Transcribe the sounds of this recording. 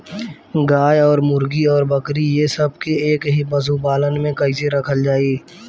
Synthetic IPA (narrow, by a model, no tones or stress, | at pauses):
ɡaːjɔːɾmʊɾɡiɔːɾbɐkɾijesɐb̚keeːkɦibɐzubaːlənmẽkɐɪseɾɐkʰəld͡ʒaːiː